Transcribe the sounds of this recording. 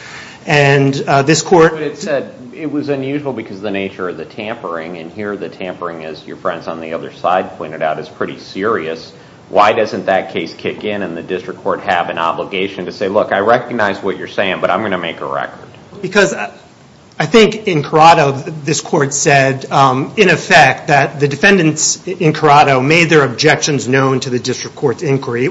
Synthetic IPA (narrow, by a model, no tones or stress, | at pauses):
ɨ̃nðɪskʰɔɹt̚bʌɾɨtsɛɾ | ɪt̚wʌzɨ̃njʉʒwl̩ˠbɨkʰʌzðɨneɪt͡ʃə˞ʌvðɨtʰæ̃mpə˞ɪ̃ŋɨ̃nhiɹðɨtʰæ̃mpə˞ɪ̃ŋɪzjə̰˞fɹɛ̃ndzn̩ðiʌðə̰˞sa̰ɪd̚pʰɔ̃ɪ̃ɾ̃ɨɾaʊɾɨz̥pʰɹ̥ɪɾḭsɪɹiɨs | waɪdʌzɨ̃nðɨt̚kʰeɪskʰɪkɪ̃nɨ̃nðɨdɪstɹ̥ɨkʰːɔɹt̚hɨvɨ̃nɑ̰bləɡeɪʃɨ̃n̩tɨseɪlʊkaɪɹɛkɨɡ̚naɪzwʌt͡ʃə̰˞seɪɪ̃ŋbʌɾãɪ̃mɡʌ̃nɨmeɪkə̰ɹɛ̰kə̰˞d̥bɨkʰʌz | aɪθɪ̃ŋkɪ̃nkʰə˞ɑɾoʊðɪskʰɔɹtsɛɾɨ̃ɾ̃ɨfæk̚t̪̚ðɨt̪̚ðɨdɨfɛ̃ndɨ̃ntsɨ̃nkʰə˞ɑɾoʊmeɪd̪̚ðə˞ɨb̚d͡ʒɛkʃɨ̃nznõʊ̃ntʰɨðɨdɪstɹ̥ɨkʰːɔɹtsɪ̃nkʰwə˞i